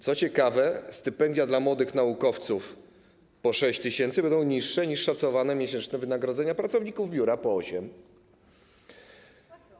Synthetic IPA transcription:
t̪sɔt͡ɕɛkavɛst̪ɘpɛnd̪ʲjad̪lamwɔd̪ɘxnaukɔft̪suf | pɔʂɛɕt͡ɕt̪ɘɕɛnt̪sɘbɛnd̪ɔ̃w̃ɲiʂːɛɲiʂʂat̪sɔvanɛmʲjeɕɛnt͡ʂnɛvɘnaɡɾɔd̪zɛɲapɾat̪sɔvɲikuvbʲjuɾapɔɔɕɛm

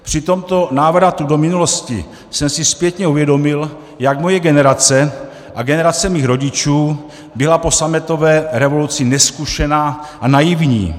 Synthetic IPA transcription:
pr̥ɪt̪o̞mt̪o̞naːvɾat̪udomɪnulo̞scɪ̰ | sɛmsɪspjɛt̪ɲɛuvjɛdo̞mɪl | jakmo̞jɛɡɛnɛɾat͡sɛ | ʔaɡɛnɛɾat͡sɛmiːxɾo̞ɟɪt͡ʃuː | bɪlapo̞samɛt̪o̞vɛːɾɛvo̞lut͡sɪnɛskuʃɛnaːʔanajɪvɲḭː

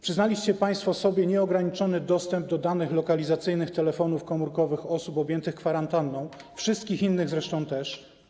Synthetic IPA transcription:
pʂɘznalʲiɕt͡ɕɛpaj̃st̪fɔsɔbʲjɛɲɛɔɡɾaɲit͡ʂɔnɘd̪ɔst̪ɛmb̚d̪ɔd̪anɘxlɔkalʲizat̪sɘjnɘxt̪ɛlɛfɔnufkɔmuɾkɔvɘxɔsupɔbʲjɛnt̪ɘxkfaɾant̪anːɔ̃w̃fʂɘst̪̚kʲixinːɘɣzɾɛʂt̪ɔ̃w̃t̪ɛʂ

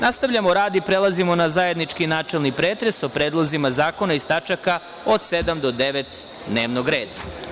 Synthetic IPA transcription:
nast̪aʋʎʲamoɾaːd̪ipɾelˠazimo̞nazaje̞d̪nit͡ʃkinaːt͡ʃelˠnipɾeːt̪ɾe̞sopɾeːd̪lˠozimazaːko̞naist̪at͡ʃaka | od̪sed̪amd̪o̞d̪eʋet̪ | d̪neːʋnoɡɾeːd̪a

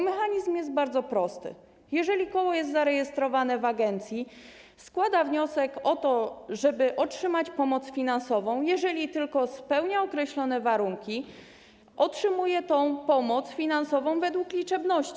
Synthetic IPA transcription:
mɛxaɲizmjɛst̪̚baɾd̪zɔpɾɔst̪ɘ̰ | jɛʐɛlʲikɔwɔjɛst̪zaɾɛjɛst̪ɾɔvanɛvaɡɛnt̪sʲji | skwad̪avɲɔsɛkɔt̪ɔʐɛbɘʔɔtʂɘmat͡ɕpɔmɔt̪sfʲinansɔvɔ̃w̃jɛʐɛlʲit̪ɘlkɔspɛwɲaɔkɾɛɕlɔnɛvaɾuŋkʲi | ʔɔtʂɘmujɛt̪ɔ̃w̃pɔmɔt̪sfʲinansɔvɔ̃w̃vɛd̪wuklʲit͡ʂɛbnɔɕt͡ɕi

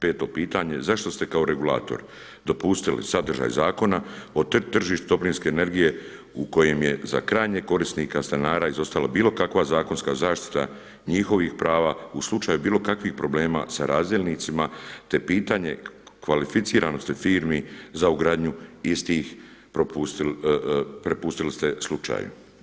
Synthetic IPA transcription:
pe̞ːt̪o̞piːt̪aɲe̞zaʃt̪o̞st̪e̞kao̞ɾe̞ɡula̰ːt̪o̰ɾ | d̪o̞pust̪ilḭsad̪r̩ʒa̰jzaːko̞nao̞t̪t̪r̩ʒiːʃt̪ud̪o̞plinske̞ːne̞ɾɡije̞ | uko̞je̞mje̞za̰kɾaːjɲeko̞ɾisnikast̪anaːɾaːizo̞st̪alabiːlo̞kakʋazaːko̞nskazaːʃt̪i̥t̪a̰ | ɲixo̞ʋixpɾaːʋauslˠut͡ʃaːjubiːlo̞kakʋixpɾo̞ble̞ːma̰saɾaːzd̪jelʲnit̪simat̪e̞piːt̪aɲe̞̰kʋalifit̪siːɾano̞st̪efiːɾmizauɡɾaːd̪ɲuist̪iːxpɾopust̪i | pɾe̞pust̪ilist̪e̞slut͡ʃa̰ːjṵ

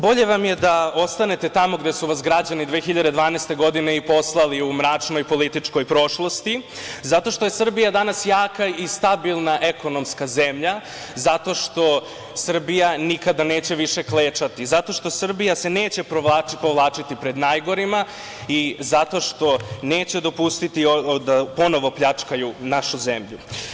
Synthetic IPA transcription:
bo̞ʎe̞ʋamje̞d̪ao̞st̪ane̞t̪e̞t̪amo̞ɡd̪esuʋasɡɾad͡ʑanid̪ʋeːxiʎad̪e̞d̪ʋaːneːst̪e̞ɡo̞d̪ine̞ipo̞slˠaliumɾat͡ʂno̞jpo̞lit̪it͡ʂko̞jpɾo̞ʃlˠo̞st̪izat̪o̞ʃt̪o̞jesr̩bijad̪anasjaːkaist̪abilˠnaʔe̞ko̞no̞mskaze̞mʎa | zat̪o̞ʃt̪o̞ | sr̩bijanikad̪aneːt͡ɕe̞ʋiʃe̞kleːt͡ʃat̪izat̪o̞ʃt̪o̞sr̩bijaseneːt͡ɕe̞paipo̞ʋlˠaːt͡ʃit̪ipɾe̞d̪najɡo̞ɾima | izat̪o̞ʃt̪o̞neːt͡ɕed̪o̞pust̪it̪iod̪apo̞no̞ʋo̞pʎat͡ʂkajunaʃuzemʎu

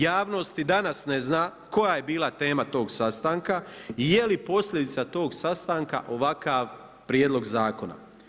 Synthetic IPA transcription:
jaːʋno̞st̪id̪anasneznaː | ko̞jaje̞biːlat̪e̞ːmat̪o̞ːɡsast̪aːŋkaijelipo̞sʎʲed̪it̪sat̪o̞ːɡsast̪aːŋka̰ʔo̞ʋakaːʋ | pɾjed̪lˠo̞ɡzaːkona̰

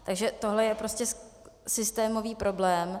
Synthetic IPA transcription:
t̪aɡʒɛt̪oɦlɛjɛpɾo̞scɛs | sɪst̪ɛːmo̞viːpɾʔo̞blɛːm

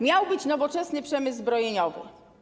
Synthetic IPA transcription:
mʲjawbɘt͡ɕnɔvɔt͡ʂɛsnɘpʂɛmɘzːbɾɔjeɲɔvɪ̰

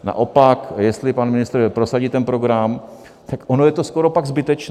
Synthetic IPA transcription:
na̰ʔo̞pakjɛst̪lɪpanmɪnɪst̪ɾpɾo̞saɟiːt̪ɛnpɾo̞ɡɾam | t̪akʔo̞no̞jɛt̪osko̞ɾo̞paɡzbɪt̪ɛt͡ʃ

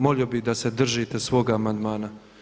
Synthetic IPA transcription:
moliobid̪ased̪r̩ʒit̪esʋo̞ːɡaːmand̪maːna

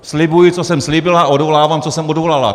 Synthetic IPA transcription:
slɪbujɪt͡sosɛmslibɪlaaodvolaːvamt͡sosɛmodvolala̰

